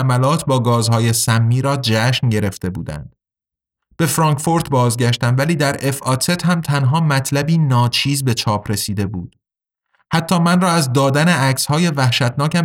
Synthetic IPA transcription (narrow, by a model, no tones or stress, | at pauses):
mælɒːt̪ʰbɒːɡɒːzhɒːje̞sæmːiːɾɒːd͡ʒæʃnɟe̞ɾe̞ft̪e̞bṵːd̪æ̰nd̪̥ | b̥e̞fɾɒːŋkfoɾt̪bɒːzɟæʃt̪æmvæliːd̪æɾʔe̞fɒt̪ʰe̞t̪hæmt̪ʰænɦɒːmæt̪ʰlæbiːnɒːt͡ʃʰiːzbe̞t͡ʃʰɒːpʰɾe̞siːd̪e̞buːd̪̥ | hæt̪ʰːɒːmænrɒːæzd̪ɒːd̪æneæcshɒːje̞væhʃæt̪ʰnɒːkcæm